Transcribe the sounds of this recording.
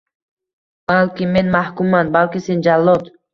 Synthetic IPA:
b̥alkʲimenmahkumanbalkisind͡ʒalːɔt̪

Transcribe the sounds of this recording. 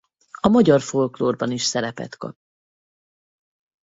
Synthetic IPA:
ɒmɒɟɒrfo̞lkloːrbɒniʃsɛɾɛpɛ̰t̪kɒ̰p̚

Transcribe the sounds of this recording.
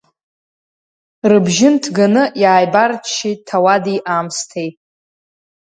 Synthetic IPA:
rɨbʒɪntʰɡanɨjaːjbartʰʃitʰawadiʔamstʰejt

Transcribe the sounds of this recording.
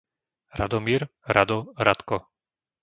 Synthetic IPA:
ɾa̰d̪ɔmiːɾɾad̪ɔɾat̪kɔ

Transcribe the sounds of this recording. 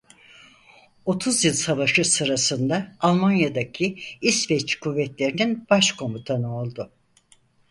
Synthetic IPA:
o̞t̪ʰuzjilʲˠsavaʃɯsɯɾasɯnd̪aːlˠmanjad̪acʰiisvɛt͡ʃkʰuvːɛt̪lʲe̞ɾininb̥aʃkʰo̞mut̪ʰanɯo̞lˠd̪ʊ

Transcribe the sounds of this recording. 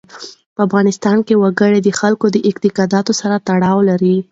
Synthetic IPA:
pəafɣɑnɪst̪ɑnkewaɡəɽed̪əxalkod̪əʔɪqt̪ɪqɑd̪ɑt̪osaɾat̪aɽɑwlaɾi

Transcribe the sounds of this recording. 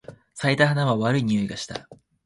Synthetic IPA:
sait̪aɦanaβaβaɾɯ̟iɲ̟io̞iɡaɕi̥t̪a̰

